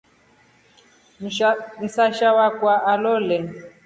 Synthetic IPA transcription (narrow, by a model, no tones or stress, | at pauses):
n̩saʃawakwaʔalɔlɛ